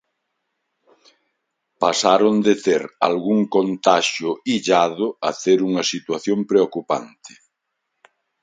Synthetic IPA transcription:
pasaɾond̪eθeɾa̰lɣuŋkont̪aʃjʊiʎaðʊɐ̰θeɾuŋɐsit̪waθjompɾeokupa̰nt̪ɪ̥

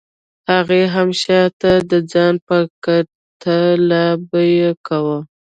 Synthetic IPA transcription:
haɣeɦamʃɑt̪ad̪əd͡zɑnpəka | t̪ʰalabəjekawə

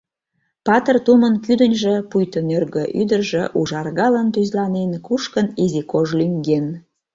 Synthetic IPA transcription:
pɑt̪ərt̪umənkyd̪ənʲʒĕpujt̪ənørɣə̆ʔyd̪ərʒeʔuʒɑrɣɑlənt̪̬yzlɑnenkuʃkənizikoʒlyŋɡen

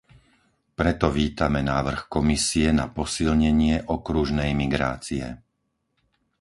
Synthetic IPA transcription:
pɾɛt̪ɔʋiːt̪amɛnaːʋr̩xkɔmisiɛnapɔsilɲɛɲɪɛʔɔkɾuʒnɛjmiɡɾa̰ːt͡siɛ̰

